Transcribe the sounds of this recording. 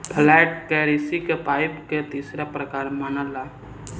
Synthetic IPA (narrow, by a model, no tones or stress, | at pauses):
pʰlajʈkeɾisikepaːɪpket̪iːsɾapɾəkaːɾmanala